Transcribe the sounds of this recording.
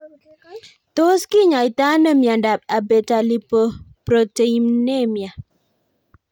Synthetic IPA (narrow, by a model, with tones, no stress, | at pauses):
to˦ski˦ɲa˨i˨ta˦nə˦˨mja˨nda˨p̚a˨be˨ta˨li˨pə˨pɾo˨te˨i˨mne˦˨mja˨